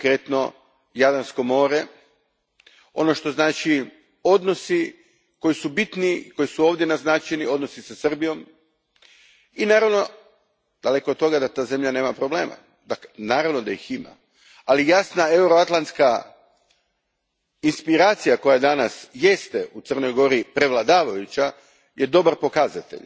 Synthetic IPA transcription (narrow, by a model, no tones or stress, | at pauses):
kɾet̪no̞ | jad̪ansko̞mo̞ːɾe̞ | o̞̰no̞ʃt̪o̞znaːt͡ʃi | o̞d̪no̞si | ko̞jisubit̪niiko̞jisuo̞ːʋd̪jenaznat͡ʃenio̞d̪no̞sisasr̩bijo̞m | inaːɾaʋno̞ | d̪̥ale̞ko̞d̪̚t̪o̞ɡad̪att̪aːze̞mʎane̞ːmapɾo̞ble̞ːma̰ | d̪aknaːɾaʋno̞d̪aixima̰ | alijasnae̞wɾoat̪lˠant̪ska | inspiɾaːt̪sijako̞jajed̪anasje̞st̪eʔut̪srno̞jɡo̞ɾipɾe̞ʋlˠad̪aːʋajut͡ɕa | jʔe̞d̪o̞baɾpo̞kazat̪ḛʎ